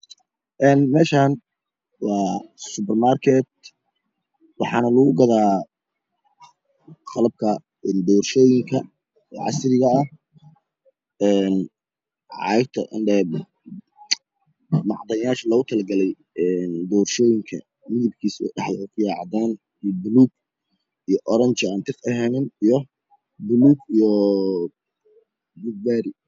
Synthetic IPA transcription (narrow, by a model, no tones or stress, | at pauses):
ʔɛːnmɛːʃaːn | wɑːsʊpɛrmaːrkʰɛt̪̚ | wɑħɑːnɐlɐɣʊɡɐðaː | χɑlɐb̚kʰɐ | ɛnd̪ɔːrʃɔːjɪŋkʰɐ | ɛːʕɑ̰sɾɪɣɐɐ | ɛːn | ʕɑ̰ɪt̪ʰɐ̰ʔɪ̰nɖɛːb | mɑ̰ʕd̪ɐjaːʃlɐɣʊt̪ʰɐlɐɡɐlɛj | ɛnd̪ɔːrʃɔːjɪŋkʰɐ̰ | mɪðɪb̚kʰiːsɖɛħlʊkʰʊjaːʕɑd̪aːn | bʊluːɡ̚ | ijɔʔɔɾɐnt͡ʃant̪ʰɪkɐɦɛːnɪnijɔ | bʊluːɡijɔ | buɡ̚baːɾɪ